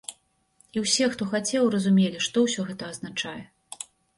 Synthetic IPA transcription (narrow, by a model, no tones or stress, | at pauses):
iwsʲɛxt̪ɔxat͡sʲɛwrɐzumʲelʲiʂt̪ɔwsʲɔɣɛt̪ɐːznat͡ʂajɛ